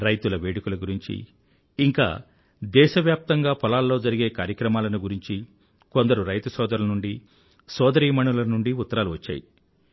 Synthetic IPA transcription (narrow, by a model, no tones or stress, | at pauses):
ɾɐjt̪ulɐʋeːɽikulɐɡuɾiɲt͡ʃḭː | ŋka̰ː | d̪ɛːʃɐʋjaːp̚t̪ɐŋɡaːpɔlaːlːo̞ːd͡ʒɐɾiɡe̞ːkaːɾjɐkɾɐmaːlɐnuɡuɾiɲt͡ʃi | kond̪ɐɾuɾɐjt̪usɔːd̪ɐɾlɐnuɳɖi | sɔːd̪ɐɾiːmɐɳulɐnuɳɖiut̪ːɐɾaːluʋɐt͡ʃːa̰ːji